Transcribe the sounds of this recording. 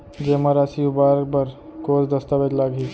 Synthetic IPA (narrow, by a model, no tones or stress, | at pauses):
d͡ʒeməɾasiubaɾbəɾkosd̪əst̪abed͡ʒ̪laɡi